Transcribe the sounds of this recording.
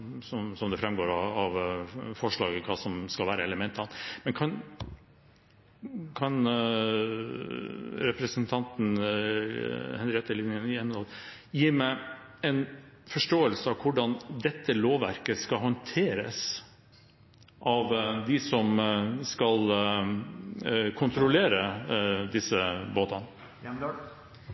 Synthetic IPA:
sɔmsɔmd̪ɛfɾɛmɡoːɾɑɑʋfɔʂɭɑ̰ːɡəkʰɑːsɔmskɑlʋæːɾəɛləmɛnt̪ɑnmɛnkʰɑn | kʰɑn | ɾɛpɾəsənt̪ʰɑnt̪n̩ | hɛnɾɪkɛt̪ːəɭɪnənjɛnɑl | jiːmæɪ | ɛɪn | fɔʂʈoːəlsəɑʋkʰʊɖɑnd̪ɛt̪ːəloːʋæ̰ɾkəskɑɦɔnt̪ʰeːɾə̰s | ʔɑʋd̪ɪsɔmskɑl | kʰʊnt̪ɾʊleːɾəd̪ɪsːəboːt̪ɑn

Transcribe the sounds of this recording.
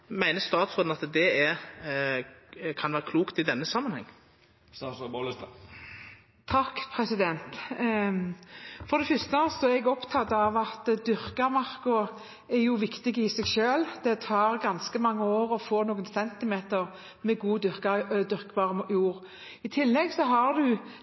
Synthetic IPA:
mæɪnəst̪ɑːt̪sɔːd̪nɑt̪d̪ɛæɾ | kʰɑnʋæːɾəkʰluːkt̪ɪd̪ɛnːəsɑmːənhɛ̰ŋː | t̪ʰɑkːpʰɾɛsɪd̪ɛnt̪ | fɔd̪ɛfʏst̪əsɔɛɡɔpt̪ʰɑt̪ːəɑʋɑt̪d̪ʏɾkəmɑʁkʊ | ɛjʊʋɪkt̪ɪɡəɪsɛɡʃøːld̪̥ɛt̪ʰɑːɾɡɑnskəmɑŋːəoːɾɔfoːnoːɡənsɛnt̪ɪmeːt̪əʁ | mɛɡuːd̪ʏɾkd̪ʏɾkəbɑːʁəmjuːɾ | ɪt̪ʰɪlːɛɡsɔɦɑʁd̪ʉ

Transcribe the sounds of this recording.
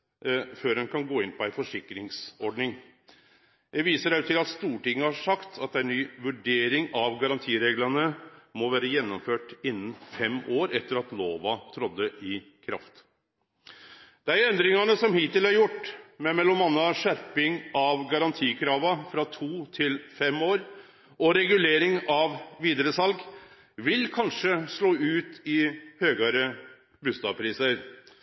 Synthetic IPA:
føːɾɛnkʰɑnɡoːɪnpɔæɪfɔʂɪkːɾɪŋsɔɖɳɪŋ | j̪æʋiːsəɾæt̪ʰɪlɑt̪st̪uːʈɪŋːəhɑʂɑkt̪ʰɑt̪d̪æɪnyːʋʉɖeːɾɪŋɑʋɡɑɾɑnt̪ʰiːɾeːɡlənəmɔʋæːɾəjɛnːɔmføːʈɪnːn̩fɛmoːɾɛt̪ːəɾɑt̪loːʋɑt̪ʰɾɔd̪ːəʔɪ | kʰɾɑft̪ | d̪̥æɪɛnd̪ɾɪŋɑnəsɔmhiːt̪ɪlɑɾjʊʈːmɛmɛlːɔmɑnːɑʂæɾpɪŋɑʋɡɑɾɑnt̪ʰiːkʰɾɑːʋɑfɾɑt̪ʰuːt̪ʰɪlfɛmoːɾ | ʔɔɾɛɡʉleːɾɪŋɑʋʋiːd̪əɾəsɑlɡ | ʋɪlkʰɑnʂəʂɭoːʉːt̪ɪhøːɡɑɾə | bʉːst̪ɑːʋpʰɾiːsəɾ

